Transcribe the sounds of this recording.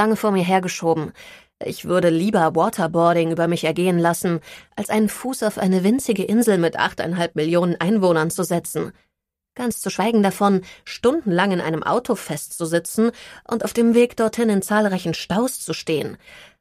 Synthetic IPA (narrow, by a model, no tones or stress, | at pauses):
aŋəfoːɐmiːɐɦeːɐɡəʃoːbm̩ | ʔɪ̰çv̥ʏɐɾəliːbɐwɔːtʰɐbɔɐɾɪŋʔyːbɐmɪçɛɐɡeːənlasn̩ʔalsʔaɪnənfuːsaʊfʔa̰ɪnəvɪnt͡sɪɡəʔɪnzl̩mɪtʔa̰χta̰ɪnɦalp̚mɪljoːnənʔaɪnvoːnɐnt͡suzɛt͡sn̩ | ɡ̥ant͡st͡suʃv̥aɪɡŋ̩dafɔnʃtʊndn̩laŋɪnʔa̰ɪnəmʔa̰ʊtʰofɛstt͡suzɪt͡sn̩ʔʊntaʊd̥eːmveːkd̥ɔɐthɪnɪnt͡saːlʁaɪçn̩ʃtaʊst͡suʃteːən